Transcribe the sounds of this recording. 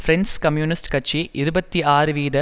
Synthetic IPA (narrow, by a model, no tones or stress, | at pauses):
fɾɛnskɐmjuːnɪsʈkɐʈ̚t͡ʃːiʔɪɾɯbɐt̪ːiaːɾɯʋiːðɐ